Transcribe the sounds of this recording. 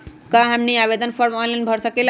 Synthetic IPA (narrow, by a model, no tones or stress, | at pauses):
kãɦəmniabed̪ənpʰəɾmɔ̃nlanbʱəɾsəkel